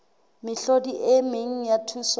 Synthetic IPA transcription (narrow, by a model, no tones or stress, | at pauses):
mɪɬodiʔɪmeŋ̩jatʰus